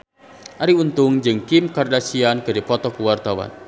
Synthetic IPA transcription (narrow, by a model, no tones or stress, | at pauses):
ʔaɾiunt̪ʊŋd͡ʒɨŋkimkardasianɡ̥aɾipɔt̪ɔkuwart̪awa̰n